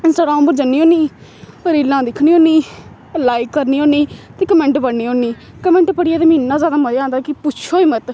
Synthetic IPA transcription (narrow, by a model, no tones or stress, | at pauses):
ɪnsʈaːɡɾaːmmbəɾd͡ʒənːiːoːniː | kəɾiːlãːd̪ɪkʰniːõːniː | laːikːəɾniːoːniːt̪eːkəmɛ̃ːɳʈpəɽːiːɦõːniː | kəmɛ̃ːɳʈpəɽɪjaːt̪emiːnːãːzjaːd̪aːməɾãːnd̪aːkɪpʊt͡ʃʰoːiːmət̪